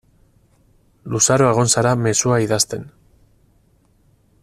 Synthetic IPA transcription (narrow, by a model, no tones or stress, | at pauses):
lusaɾo̞e̞ɣ̞o̞nsaɾame̞suaiðast̪e̞n